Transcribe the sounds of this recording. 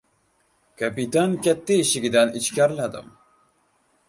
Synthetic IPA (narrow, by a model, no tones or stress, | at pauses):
kapit̪ankʲɛt̪ːiiʃiɡʲid̪ɛnit͡ʃkʲaɾlad̪ɨ̰m